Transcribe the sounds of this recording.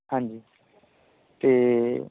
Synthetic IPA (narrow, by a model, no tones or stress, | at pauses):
ɦãːɲd͡ʒiː | t̪eː